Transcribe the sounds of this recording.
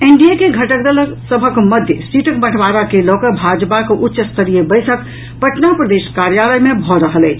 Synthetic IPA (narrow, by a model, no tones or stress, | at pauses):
eɳɖijakeɡʱəʈək̚d̪ələsəbʱəkməd̪ʱjə̰siʈəkbəʈʰʋaɾakelɔkəbʱad͡ʒpakeʔutːʃəst̪ʰəɾijebəɪsək | pəʈnapɾəd̪eskaɾjaləjmebʱɔɾəɦəlɛ